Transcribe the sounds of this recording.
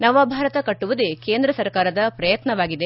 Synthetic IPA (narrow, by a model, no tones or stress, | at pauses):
nɐʋɐbʱaːɾɐt̪ɐkɐʈːuʋud̪ekeːnd̪ɾɐsɐɾkaːɾɐd̪ɐpɾɐjɐt̪nɐʋaːɡid̪e